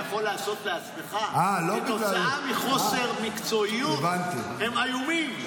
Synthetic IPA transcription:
aχo̞laːso̞t̪leat͡smeχaalobiolaaamiχo̞se̞ʁmikt͡so̞ijuvant̪ihe̞majumim

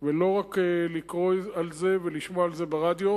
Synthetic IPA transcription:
velo̞ʁakelikʁoalzeveliʃmoaalze̞beʁad̪jo̞

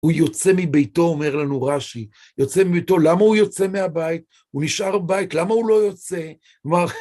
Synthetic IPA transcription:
hujo̞t͡se̞mibejto̞ome̞ʁlanuʁaʃi | jo̞t͡semibejto̞lamaujo̞t͡se̞meabait̚ | uniʃʔaʁbajitlamaulo̞jo̞t͡se̞ | maʁ

